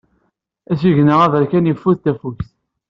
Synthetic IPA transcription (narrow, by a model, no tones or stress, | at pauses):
æsiʝnəʁævəɾkænjifːuðt̪æfuθ